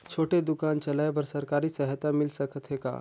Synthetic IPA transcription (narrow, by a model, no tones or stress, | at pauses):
t͡ʃʰoːʈed̪ʊkaːnt͡ʃɐlaːebəɾsɐɾkaːɾisəɦət̪amɪlsɐkət̪ɦeka̰ː